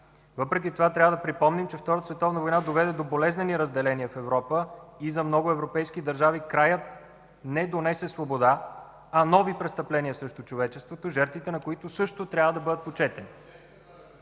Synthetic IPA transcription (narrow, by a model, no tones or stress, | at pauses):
vɤpɾɛkʲit̪ovat̪ɾʲavəd̪ɐpɾipɔmnimt͡ʃɛft̪ɔɾət̪əsvɛt̪ɔvnəvojnad̪ovɛd̪ɛd̪obolɛznɛniɾəzd̪ɛlɛniəfɛvɾɔpəizɐmnɔɡʊɛvɾopɛjskid̪ɐɾʒavikɾajət̪ | nɛd̪onɛsɛsvobod̪a | ɐnɔvipɾɛst̪ɐplɛnʲiəsɾəʃt̪ot͡ʃovɛt͡ʃɛst̪vot̪oʒɛɾt̪vit̪ɛnɐkoit̪ʊsɤʃt̪ot̪ɾʲavəd̪ɐbɤd̪ət̪̚pot͡ʃɛt̪ɛni